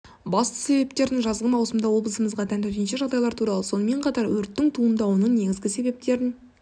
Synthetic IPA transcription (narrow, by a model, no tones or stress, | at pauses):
bɑst̪ə̥se̞be̞p̚t̪e̞ɾd̪ɪŋʒɑzʁəmɑwsəmd̪ɑwo̞blˠəsəməzʁɑt̪ʰænt̪ɪɾnʃɪʒɑʁd̪ɑjlˠɑɾt̪ʰuɾɑlˠəso̞nəme̞ɴqʰɑt̪ɑɾwɵɾt̪ːɪŋt̪ʰuənd̪ɑwonəɴne̞ɡʲɪzɡʲɪse̞be̞p̚t̪e̞ɾɪn